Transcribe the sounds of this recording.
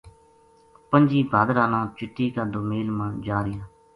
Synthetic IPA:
pəɲd͡ʒiːbʱaːd̪ɾaːnãːt͡ʃɪʈːiːkad̪oːmeːlmand͡ʒaːɾɪjaː

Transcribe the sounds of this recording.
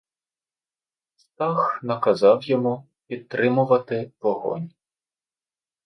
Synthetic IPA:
st̪ɑxnɐkɐzɑwjɔmu | pʲid̪̚t̪ɾɪmʊʋɐt̪ɪʋɔɦɔ̰nʲ

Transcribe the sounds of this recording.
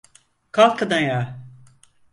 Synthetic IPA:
kʰalˠkad̪anja

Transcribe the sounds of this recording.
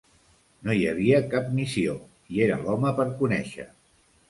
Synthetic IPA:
nojəβ̞iəkap̚misio | ieɾəlɔməpəɾkunɛʃə̰

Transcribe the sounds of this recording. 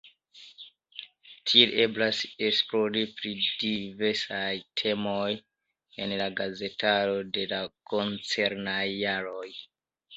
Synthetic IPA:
tʰielʔe̞blaseksploɾipɾidive̞ɾsajtʰe̞moj | e̞̰nlaɡaze̞talo̞de̞lako̞nt͡se̞ɾnajːaɾo̞j

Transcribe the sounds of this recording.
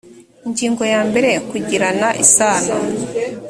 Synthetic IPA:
iɲɟiːŋɡo̞jaːmbe̞ɾe̞kuɟiɾanaʔisaːna

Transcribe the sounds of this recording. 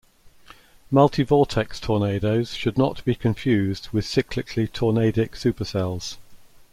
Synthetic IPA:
mʌlˠtʰɪvɔˑtʰɛkstʰɔːneɪdəʊz̥ʃədⁿnəʔb̥ikʰə̃ɱfjʉːzdwɪð̥sɪkʰlɪkʰlitʰɔːneɪdɪksʉˑpəsɛlˠz̥

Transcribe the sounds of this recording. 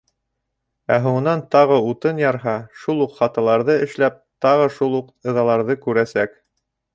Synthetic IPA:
æɦuɴɤ̆nɑnt̪ɑʁɤut̪ɤnjɑɾɦɑʃulˠuqχɑt̪ɑlˠɑɾðɤɘ̆ʃlæp̚t̪ɑʁɤʃulˠuqɤ̆ðɑlˠɑɾðɤkʉɾæsæk

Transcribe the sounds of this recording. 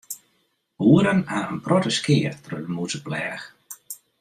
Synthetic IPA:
uːəɾənaənprɔtəskɪːərtrødəmusəplɛːx

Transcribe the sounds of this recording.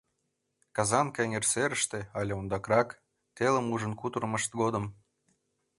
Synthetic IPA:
kɑzɑnkɑeŋʲerseɾəʃt̪ĕɑlʲeond̪ɑkrɑk | t̪elə̆muʒə̆nkut̪urməʃt̪̚ɡod̪ə̆m

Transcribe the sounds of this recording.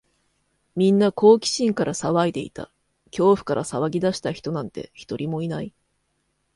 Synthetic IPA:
mʲĩnːako̞ːkʲi̥ɕĩŋkaɾʔasaβaid̪e̞ḭt̪a̰ | kʲo̞ːɸɯ̟̥kaɾʔasaβaɡʲid̪aɕi̥t̪açi̥t̪o̞nãnt̪e̞̰çi̥t̪o̞ɾʲimo̞inai

